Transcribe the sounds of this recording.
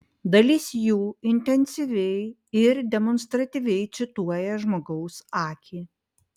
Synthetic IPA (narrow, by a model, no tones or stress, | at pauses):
d̪ɐlʲɪsʲjuːɪnʲt̪ʲɛnʲsʲɪʋʲɛɪ | ɪɾd̪ʲɛmɔnst̪ɾɐt̪ʲiːʋʲɛɪt̪sʲɪt̪uɔjɛʒmoːɡɐʊsɑːkʲʰiː